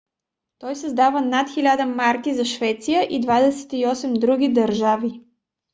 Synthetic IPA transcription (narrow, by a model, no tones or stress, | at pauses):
t̪ɔjsɐzd̪avənat̪xilʲad̪əmaɾkizɐʃvɛt̪sijəʔid̪vad̪ɛsɛ̥t̪iɔsɛmd̪ɾuɡid̪ɐɾʒavi